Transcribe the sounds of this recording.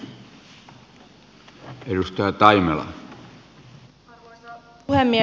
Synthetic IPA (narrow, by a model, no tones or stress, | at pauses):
edust̪ɑjɑt̪ɑimelɑ̰ | hemːi